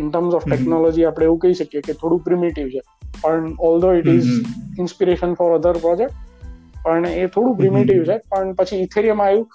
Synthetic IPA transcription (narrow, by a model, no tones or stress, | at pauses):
ɪɳʈəɾmzɔʋʈɛknɔlɔd͡ʒiapɽ̃eeʋũkəɦiʃəkijeket̪ʰoɽũpɾimiʈiʋt͡ʃʰe | pəɳɔld̪oɪʈɪzɪnspiɾeʃənfɔɾəd̪ʱəɾpɾɔd͡ʒek̚ʈpəɳet̪ʰoɽũp̬ɾɪmiʈ̬iʋt͡ʃʰepəɳpət͡ʃʰiːt̪ʰeɾiəmãajũ